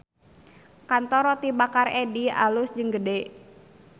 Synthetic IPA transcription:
kant̪ɔɾɔt̪ibakaredia̰lʊsd͡ʒɨŋɡəde

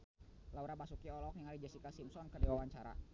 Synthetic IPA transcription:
lauɾabasukiɔlɔk̚jaŋaɾid͡ʒasikasimsɔnkərdiwawaɲt͡ʃaɾa̰

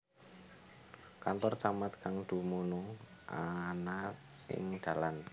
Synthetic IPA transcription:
kant̪ɔrt͡ʃamat̪̚kaŋd̪̥ṳmuno | ʔana | ɪ̰ŋd̪̥a̤lan

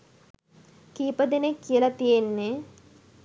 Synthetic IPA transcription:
kiːpəd̪enekːijəlɐt̪ijenːe

